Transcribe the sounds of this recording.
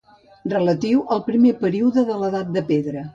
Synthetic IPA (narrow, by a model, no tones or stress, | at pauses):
rrələt̪iwəlˠpɾimepəɾiuðəðələðat̪̚d̪əpeðɾə